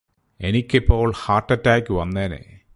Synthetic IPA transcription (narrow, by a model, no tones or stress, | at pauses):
enikʲːipːo̞ːɭhaːʈːɐtːaːkʲːuʋɐnːeːnḛ